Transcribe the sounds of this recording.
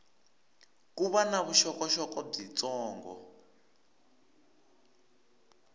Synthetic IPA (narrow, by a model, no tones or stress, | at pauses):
kuβanaβuʃɔkɔʃɔkɔb͡ʐit͡sɔːŋɡɔ̰